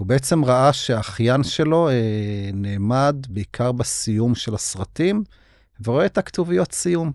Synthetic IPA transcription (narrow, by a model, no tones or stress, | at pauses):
hubeet͡se̞mʁaʔaʃeaχjanʃe̞lo̞eneːmad̪beikʰaʁbesijumʃelasʁatim | veʁoet̪akt̪uvijo̞t̪sijum